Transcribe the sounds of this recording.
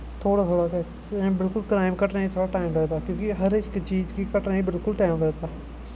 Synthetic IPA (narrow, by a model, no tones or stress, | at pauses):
t̪ʰoːɽaːt̪ʰoːɽakɛ̃ | bɪlkʊlkɾaːɪmkəʈnaːĩt̪ʰoːɽaːʈaːɪmɾɛɦt̪aːkjõːkiɦəɾɪkt͡ʃiːd͡ʒkikəʈnaːibɪlkʊlʈaːɪmɾɛːt̪aː